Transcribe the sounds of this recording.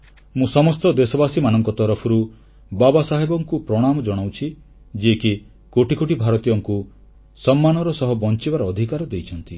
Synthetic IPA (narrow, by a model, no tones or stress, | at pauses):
mũsɔmɔst̪ɔd̪esɔbasimanɔŋkɔt̪ɔɾɔpʰɔɾu | babasaɦebɔŋkupɾɔɽ̃amɔd͡ʒɔɽ̃awt͡ʃʰi | d͡ʒieki | koʈikoʈibʱaɾɔt̪ijɔŋku | sɔmːanɔɾɔsɔɦɔbɔnt͡ʃibaɾɔːd̪ʱikaɾɔd̪ejt͡ʃʰɔnt̪i